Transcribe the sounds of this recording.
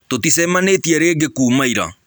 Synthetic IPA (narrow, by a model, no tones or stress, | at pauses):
totisɛmanetiɛɾeɡekuːmaiɾa̰